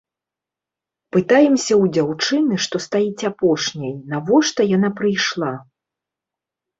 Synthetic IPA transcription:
pɨt̪ajɛmsʲɐwd͡zʲawt͡ʂɨnɨʂt̪ɔst̪ajit͡sʲapɔʂnʲɐjnavɔʂt̪ɐjan̪apɾɨjʂlˠa

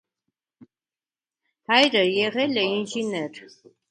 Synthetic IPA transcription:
hajɾəjɛʁɛlɛinʒinɛɾ

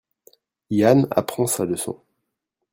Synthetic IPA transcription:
jana̰pχɑ̃saləsɔ̰̃

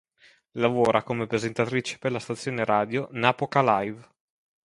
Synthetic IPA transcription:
lavoːɾakomepɾezent̪at̪ɾit͡ʃe̥perlast̪at̪sːjoːneɾʔaːd̪jonaːpokalajv

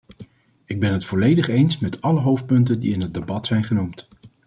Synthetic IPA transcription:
ɪɡ̚bɛnɦətfɔlejdəχejnsmɛtɑləɦowft̚pɵntəndḭɪnɦəd̚debɑtsɛjnχənumt

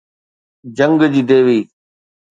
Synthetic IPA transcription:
d͡ʑə̃ŋɡd͡ʑiːd̪eːʋiː

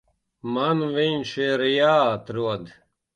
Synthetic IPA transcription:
manʋinʃiɾjaːt̪ɾuɔd̪

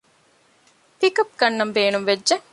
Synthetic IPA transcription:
t̪ikɐp̚ɡɐnːɐmbeːnumʋedd͡ʒe

